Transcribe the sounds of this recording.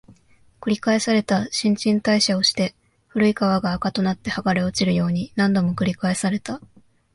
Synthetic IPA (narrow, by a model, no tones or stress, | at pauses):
kɯ̟ɾʲikae̞saɾe̞t̪aɕĩɲ̟t͡ɕĩnt̪aiɕao̞ɕi̥t̪e̞ | ɸɯ̟ɾɯ̟ikaβaɡaːkat̪o̞nat̪ːe̞haɡaɾeo̞t͡ɕiɾɯjo̞ːɲ̟inãnd̪o̞mo̞kɯ̟ɾʲikae̞saɾe̞t̪a